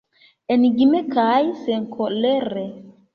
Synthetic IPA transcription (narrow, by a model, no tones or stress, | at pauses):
eniɡimɛkajsɛŋkʰolɛɾe